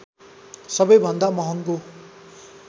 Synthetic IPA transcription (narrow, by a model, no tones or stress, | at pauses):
sʌbʌjbʱʌnd̪amʌɦʌŋko